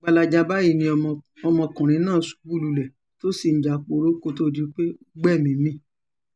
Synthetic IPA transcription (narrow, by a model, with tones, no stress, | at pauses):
ɡ͡ba˧la˧d͡ʒa˧ba˦ji˦˨nĩ˧ | ɔ˧mɔ̃˧kã˨ɾ̃ĩ˧˦nãː˦˨su̥˨˧bu˦lu˧lɛ˨ | to˦si˦˨n̩˨˦d͡ʒa˨k͡po˧ɾo˦ko˦to˦di˦k͡pe˦ | ɡ͡bɛ˦˨mĩ˨˦mĩ˦